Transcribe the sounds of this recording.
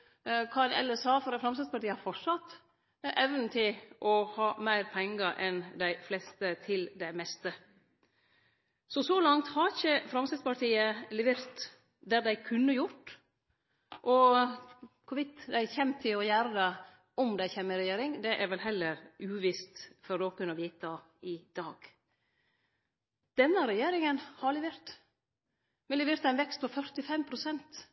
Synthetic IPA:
kʰɑnɛ̰lːəsɑːfɔɾɑfɾɑmst̪ɛspɑʈiːəhɑɾfɔsɑt̪ː | ɛʋnət̪ʰɪlʔɔhɑːmæɪɾpʰɛŋɡəʔɛnd̪æɪflɛst̪ət̪ʰɪld̪ɛmɛst̪ə | sɔsɔlɑŋt̪hɑɾɪçəfɾɑmst̪ɛspɑɾʈiːəlɛʋeɾt̪ | d̪æɾd̪æɪkʰʉnːəjʊʈ | ʔɔ | kʰʊɾʋɪt̪d̪æɪçɛmt̪ʰɪlɔjæɾd̪ə | ɔmd̪æɪçɛːmːəɪɾɛjeːɾɪŋd̪ɛʔɛɾʋɛlɦɛlːəɾʉːʋɪst̪fɔɾd̪oːkʉnəʋiːt̪ɑ | ɪd̪̥ɑːɡ̥ | d̪̥ɛnːəɾɛjeːɾɪŋənhɑɭɪʋeːɾt̪ | mɛlɪʋɪɾt̪æɪnʋɛkst̪̚pʰɔfœɾt̪ɪfɛmpʰɾʊsɛnt̪

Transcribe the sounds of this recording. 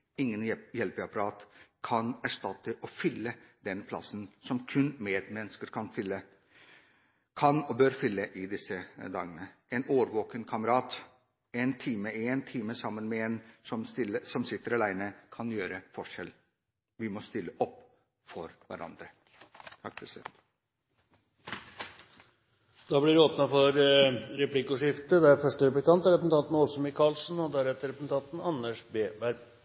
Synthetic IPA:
ɪŋːənjɛlpɪɑpɑɾɑːt̪kʰɑnæʂt̪ɑt̪ːəʔɔfʏlːəd̪ɛnpʰlɑ̰sənsɔmkʰʉnmeːd̪mɛnːəskəɾkʰɑnfʏlːə | kʰɑnɔbøːɾfʏlːəʔɪd̪ɪsəd̪ɑ̰ːɡənəɛnoːʋɾʋoːkənkʰɑməɾɑːt̪ | ɛnt̪ʰiːməeːnt̪ʰiːməsɑmːənmɛɛnsɔmst̪ɪləsɔmsɪt̪ːəɾɑlæɪnəkʰɑnjøːɾəfɔʂɛl | ʋɪmɔst̪ɪlːəʔɔpː | fɔɾʋæ̰ɾɑ̰nd̪ɾə | t̪ʰɑk̚ːpʰɾɛsɪd̪ɛ̰nt̪ | d̪̥ɑːblɪɾoːpnɑfɔɾɾɛplɪkʊʂɪft̪əd̪ɛæɾfœʂʈəɾɛplɪkɑnt̪əɾɛpəsn̩t̪ʰɑnt̪n̩ɔsɔmɪkʰɑlsn̩ɔd̪æɾɛt̪ːəɾɛpsn̩t̪ʰɑnt̪n̩ɑnːəʂbeːbæɾ

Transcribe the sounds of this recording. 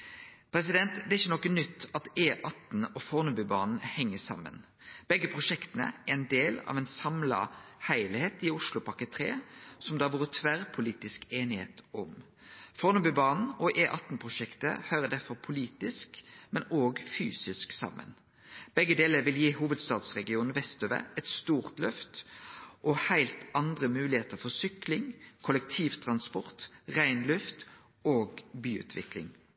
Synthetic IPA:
pʰɾɛs̬ɪd̪ɛnt̪d̪ɛɪçːənɔkːənʏt̪ːɑt̪eːʔɑt̪nɔfɔʁnʉbʉbɑ̰ːnn̩hɛŋːəsɑ̰mːə̰n | b̥ɛɡəpʰʁʊʂɛkt̪ənə̰æɛnd̪eːlɑ̰ːʋɛɪnsɑmlɑ̰hæɪlɪheːt̪ɪʊʂlʊpʰɑkət̪ʰɾḛːsɔmd̪ɛɑʋuːɾət̪ʰʋæʁpʰʊliːt̪ɪskeːnɪhḛːt̪ɔm | fɔɾnʉbʉːbɑːnn̩ɔʔeːʔɑt̪n̩pʰʁʊʂɛkt̪ə̰hœʏʁəd̪æɾfɔʁpʰʊliːt̪ɪskmɛnoːɡfyːsɪsksɑ̰mːə̰n | b̥ɛɡːəd̪eːləɾʋɪljiːhuːʋəd̪st̪ɑːd̪sʁɛɡɪuːnn̩ʋɛst̪øːʋæ̰ɛt̪st̪uːʁt̪lœft̪ʔɔhæɪlt̪ɑnd̪ʁəmʉːlɪheːt̪əɾfɔsʏklɪŋkʰʊlɛk̚t̪ʰiːʋt̪ʰʁɑnspɔʁt̪ʁæɪnlʉft̪ | oːɡbyːʉ̰ːt̪ʰʋɪ̰klɪ̰ŋ

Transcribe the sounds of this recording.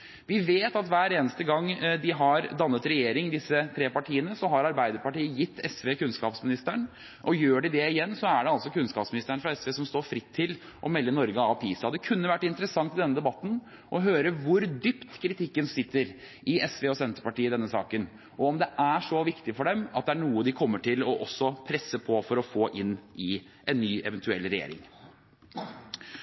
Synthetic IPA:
ʋɪʋeːt̪ɑt̪ʋæːɾeːnəst̪əɡɑŋːd̪ɪɦɑɾd̪ɑnːət̪ɾɛjeːɾɪŋd̪ɪsːət̪ʰɾeːpɑʈʰiːənəsɔɦɑɾɑɾbæɪd̪əɾpɑʈiːəjɪt̪ʰːɛsʋeːkʉnskɑːpsmɪnɪst̪əɳ | ʔɔjøːɖɪd̪ɛɪjɛnːsɔæɖɛɑlsɔkʰʉnskɑːpsmɪnɪst̪əɳfɾɑɛsʋeːsɔmst̪oːɾfɾɪt̪ʰːɪl | ʔɔmɛlːənɔɾɡəɑʋpʰḭːsɑd̪ɛkʰʉnːəʋæʈːɪnt̪əɾəsɑŋt̪ɪd̪ɛnːəd̪ɛbɑt̪ːn̩ | ʔɔɦøːɾəʋʊɾd̪ypt̪kʰɾɪt̪ʰɪkːənsɪt̪ːəɾ | ɪɛsʋeːɔsɛnt̪əpɑʈiːəd̪ɛnːəsɑ̰ːkən | ɔɔmd̪ɛʔæʂɔʋɪkt̪ɪfɔɖɛmɑt̪̚d̪ɛæɳuːəd̪ɪkʰɔmːəʈʰɪlɔʔɔsːɔpʰɾɛsːəpʰɔfɔɾɔfoːʔɪnːɪ | ʔɛnːyːɛ̰ʋɛnt̪ʰʉɛ̰lɾɛjḛːɾɪ̰ŋ

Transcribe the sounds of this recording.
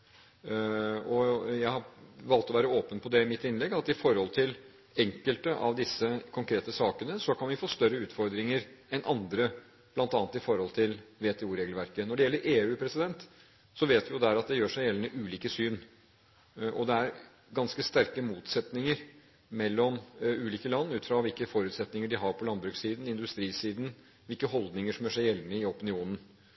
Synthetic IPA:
ɔjæɪhɑʋɑlt̪ɔʋæːɾəoːpənpʰɔd̪ɛɪmɪt̪ːɪnlɛɡɑt̪ːɪfɔɾhɔlt̪ʰɪl | ɛŋkəlt̪əʔɑʋd̪ɪsːəkʰʊŋkʰɾeːt̪əsɑːkənəsɔkɑnʋɪfoːst̪œɾəʉːt̪fɔɾd̪ɾɪŋəɾɛnʔɑnd̪ɾə | b̥lɑnt̪ɑːnt̪ɪfɔɾhɔlt̪ʰɪlʋeːt̪ʰeːuːɾeːɡlʋæɾkənɔɖɛjɛlːəɾʔeːʉːpʰɾɛsɪd̪ɛnt̪ | sɔʋeːt̪ʋɪjʊd̪æɾɑt̪̚d̪ɛjøːʂæɪjɛlnəʔʉːliːkəsyːn | ʔɔ̰d̪ɛæɾ | ɡɑnskəst̪æɾkəmuːt̪sɛt̪nɪŋəɾ | mɛlːɔmʉːliːkəlɑnːʉːt̪fɾɑʋɪlkəfɔɾʉːt̪sɛt̪nɪŋəɖɪɦɑɾpʰɔlɑnbɾʉksiːd̪n̩ɪnd̪ʉst̪ɾiːsiːd̪n̩ | ʋɪlkəhɔld̪nɪŋəʂɔmjøːʂæɪjɛlːnəɪɔpənɪuːnən̩

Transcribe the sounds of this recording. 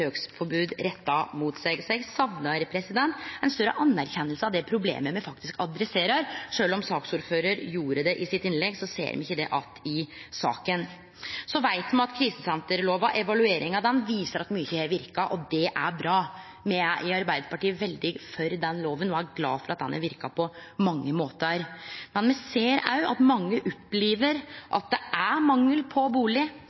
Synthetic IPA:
øːksfɔɾbʉːd̪ɾɛt̪ːɑmuːt̪sɛɡsɛɡsɑʋnɑɾpʰɾɛsɪd̪ɛnt̪ɪnst̪œɾːə̰ʔɑnːæɾçɛnːəlsəɑʋd̪ɛpʰɾʊblḛːməmɛfɑk̚t̪ɪskɑd̪ɾɛseːɾɑɾʂøːlɔmsɑːksuːɾføːɾəɾjuːɾəd̪ɛʔɪsɪt̪ːɪnlɛɡsɔsḛːɾmɪnɪçːəd̪ɛ̰ʔɑt̪ɪsɑ̰ːkən | sɔʋæɪt̪mɛnɑt̪kʰɾiːsəsɛnt̪əɾloːʋɑʔɛʋɑlʉeːɾɪŋɑd̪ɛnʋiːsəɾɑt̪myːəçeːɾʋɪɾkɑʔɔd̪ɛʔæɾbɾɑː | mɛæʔɪɑɾbæɪd̪əpɑʈiːəʋɛld̪ɪfœɾd̪ɛnloːʋənnoːæɾɡlɑ̰ːfɔɾɑt̪̚d̪ɛ̰næ̰ʋɪɾkɑpʰɔmɑŋːəmoːt̪əɾmɛnmɛseːɾɑʉʔɑt̪mɑŋːəʔɔpːliːʋəɾʔɑ̰t̪̚d̪ɛʔæmɑŋːəlpʰɔbuːlɪ

